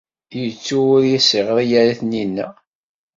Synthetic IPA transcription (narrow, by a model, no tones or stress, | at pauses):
jət͡sːuʊɾjisiʁəðˤjaɾaθninːæ̰